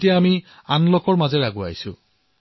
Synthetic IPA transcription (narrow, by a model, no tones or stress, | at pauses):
tijaːmi | anlɔkɔɹmazɛɹaɡua̰jsʊ̰